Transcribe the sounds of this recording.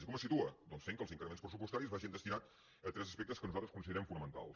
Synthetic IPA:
ikɔməsit̪uəd̪ɔnsfeŋkəlˠziŋkɾəmenspɾəsupust̪aɾizβaʒind̪əst̪inat̪̚ | ət̪ɾɛzəspɛk̚t̪əskənuzalˠt̪ɾəskunsiðəɾɛmfunəmənt̪a̰lˠ

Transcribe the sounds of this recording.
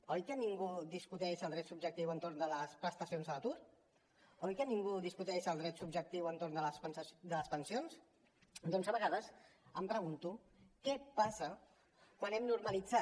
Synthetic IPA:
ojkəniŋɡuðiskut̪ɛʃəlˠd̪ɾɛt̪sub̚ʒək̚t̪iwənt̪oɾnd̪ələspɾəst̪əsionzələt̪uɾ | ojkəniŋɡuðiskut̪ɛʃəlˠd̪ɾɛt̪subʒək̚t̪iwənt̪ornd̪ələspnsd̪ələspənsions | d̪onzəβəɣaðəsəmpɾəɣunt̪u | kɛpasə | kwanɛmnuɾməlid͡za

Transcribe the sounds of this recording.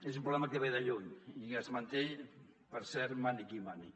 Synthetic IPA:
esumpɾuβlɛmakeβajðaʎuɲiazmant̪e | pəɾsɛɾmanikimani

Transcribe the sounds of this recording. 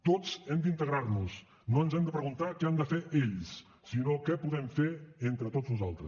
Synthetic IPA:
t̪ot͡sɛmd̪int̪əɣɾaɾnus | noənzɛmd̪əpɾəɣunt̪akɛamd̪əfeɾʔeʎsː | inokɛpuðɛmfeɾent̪ɾət̪ozβuzalˠt̪ɾəs

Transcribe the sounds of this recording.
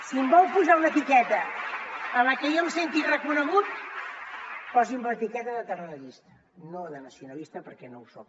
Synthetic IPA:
simbɔwpuzaunət̪ikɛt̪ə | ələkəjomsent̪irəkunəɣut̪̚ | pɔziumbəət̪ikɛt̪əðət̪ərəʎist̪ə | noðənəsiunəlist̪əpəɾkɛnowsok̚

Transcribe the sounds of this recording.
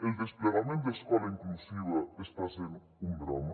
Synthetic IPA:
eld̪espleɣamẽnt̪d̪ɐskɔlɐĩŋk̪lusiβɐest̪aseɾ | ũmbɾɔmɐ

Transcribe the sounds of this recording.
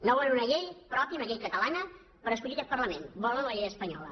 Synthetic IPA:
nowelunəʎejpɾɔpjiəunəʎejkət̪əlanə | pəɾəskuʎikɛt̪̚pərləmenbɔlənləʎejəspəɲɔ̰lə̰

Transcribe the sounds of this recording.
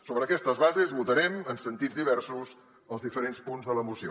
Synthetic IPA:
soβɾəːkɛst̪əzβazezβut̪əɾɛmənsənt̪id͡zðiβ̞ɛrsus | əlˠzðifəɾenspunzðələmusio̰

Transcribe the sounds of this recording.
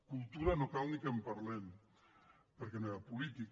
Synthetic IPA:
kulˠt̪uɾanokalˠnikempaɾlɛm | pəɾkenoɾapulit̪ik

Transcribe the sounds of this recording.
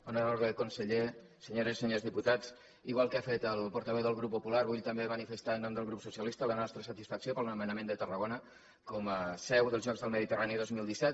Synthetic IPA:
onəɾoɾðəkunsəʎe | səɲoɾəsi̥səɲozðiput̪at͡s | iɣwalˠkəafet̪əlˠpuɾt̪əβɛwðəlˠɣɾupːupularβuʎt̪əmbemənifəst̪aənːɔmd̪əlˠɣɾupsusiəlist̪ələnɔst̪ɾəsət̪isfəksiopəlˠnəmənəmend̪ət̪ərəɣonə | kɔməsɛwðəlzʒɔkzðəlˠməðit̪əraniðozmilˠd̪isɛt̪

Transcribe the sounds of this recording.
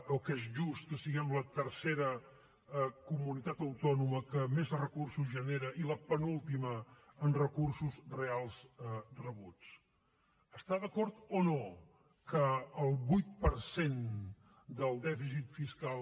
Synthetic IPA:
okezʒust̪̚kəsiɣɛmlət̪əɾseɾə | kumunit̪at̪əwt̪ɔnuməkəmezrəkursuzʒəneɾəʔiləpənulˠt̪iməːnrəkursuzrealˠszrəβut͡s | əst̪aðəkɔɾt̪ono | kəːlˠβujt̪̚pəɾsen | d̪əlˠd̪ɛfis̬it̪fiskalˠ

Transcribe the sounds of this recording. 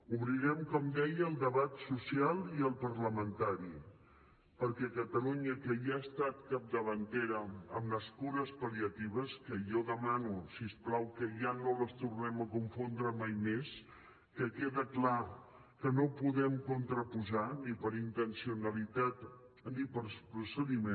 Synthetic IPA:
uβɾiɾɛmkɔmd̪ɛjəlˠd̪əβat̪susialˠiəlˠpəɾləmənt̪aɾi | pəɾkɛkət̪əluɲəkəjaːst̪at̪kap̚d̪əβ̞ənt̪eɾəəmnəskuɾəspəliət̪iβ̞əskəʒɔðəmanusiəsplawkəʒanoləst̪urnɛməkuɱfond̪ɾəmajmes | kəkeðəkla | kənopuðɛmkunt̪ɾəpuzanipəɾint̪ənsiunəlit̪at̪nipəɾspɾusəðime

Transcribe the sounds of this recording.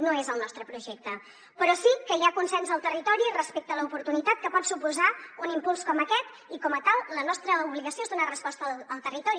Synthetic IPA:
noezəlˠnɔst̪ɾəpɾuʒɛk̚t̪ə | pəɾɔsikəiakunsɛnzəlˠt̪ərit̪ɔɾiərəspek̚t̪ələupuɾt̪unit̪at̪̚kəpɔt̪supuzaunimpulˠskɔməkɛt̪ | ikɔmət̪alˠlənɔst̪ɾəuβliɣəsioezðunarəspɔst̪əəlˠt̪ərit̪ɔɾi

